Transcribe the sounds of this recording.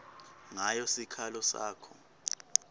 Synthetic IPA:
ŋajɔsikʰalɔsa̰ːkʰɔ

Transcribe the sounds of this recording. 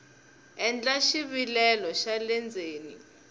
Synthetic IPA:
ɛnd͡ɮʼaʃiβilɛlɔʃalɛnd͡zʱeːni

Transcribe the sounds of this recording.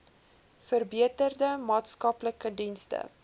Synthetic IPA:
fərbiətərdəmɑːtskɐpləkədinstə̰

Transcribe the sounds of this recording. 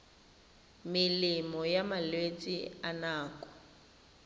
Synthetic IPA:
mɪlɪmɔjamalwet͡sʼḭanaːkʼɔ̥

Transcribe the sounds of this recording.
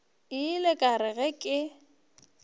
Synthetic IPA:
ɪlekʼaɾɪɣɛkʼɪ

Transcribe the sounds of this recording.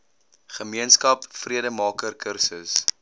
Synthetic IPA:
χəmiənskɐpfriədəmɑːkərkʰərsəs

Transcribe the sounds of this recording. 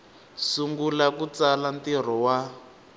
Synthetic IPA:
suŋɡulakut͡salantir̤ɔwa

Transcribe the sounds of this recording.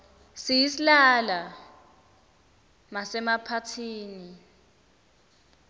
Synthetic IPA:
sijisilala | masɛmapʰatʰiːni

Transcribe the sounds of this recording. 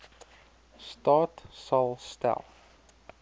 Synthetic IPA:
stɑːtsɑlˠstɛ̰lˠ

